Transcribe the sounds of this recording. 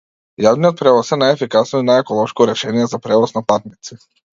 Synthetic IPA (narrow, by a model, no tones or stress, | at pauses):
javnijɔt̪̚pɾɛvɔsɛnajɛfikasnɔinajɛkɔlˠɔʃkɔɾɛʃɛnijɛzapɾɛvɔsnapat̪nit̪si